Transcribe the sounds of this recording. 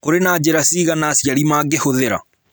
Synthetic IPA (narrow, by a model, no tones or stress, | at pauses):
koɾenad͡ʒeɾasiːɣanasjaɾimaːɡehoðeɾa̰